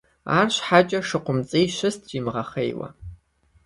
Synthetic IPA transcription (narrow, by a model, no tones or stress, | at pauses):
aːrɕħat͡ʃʼɐʂɨqʷʊmt͡sʼijʃɨstʰd͡ʒimʁɐχḛjwɐ̰